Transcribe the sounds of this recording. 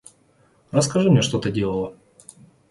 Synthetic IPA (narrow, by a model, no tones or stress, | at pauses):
rəskɐʐɨmnʲeʂt̪o̞t̪ədʲelˠəlˠə